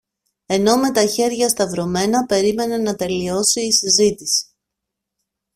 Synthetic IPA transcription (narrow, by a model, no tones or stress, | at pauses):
e̞no̞me̞t̪ɐçe̞ɾʝɐst̪ɐvɾo̞me̞nɐpe̞ɾime̞ne̞nɐt̪e̞lio̞siːsizit̪isi̥